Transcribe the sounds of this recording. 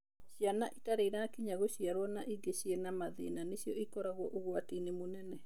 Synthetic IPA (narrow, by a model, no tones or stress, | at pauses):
ɕijanaʔitaɾeiɾakiɲaɣoɕiaɾwɔnaʔiɡeɕiɛnamaðḛːnaneɕijɔikɔɾaɣwɔʔoɣwatinemonɛnɛ